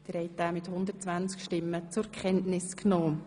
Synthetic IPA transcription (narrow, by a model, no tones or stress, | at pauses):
d̥̪əɾhɛɪt̚æːmɪthʊnd̪ərt͡svant͡skʃtɪmːət͡sʊɾkʰχɛntnɪsknɔː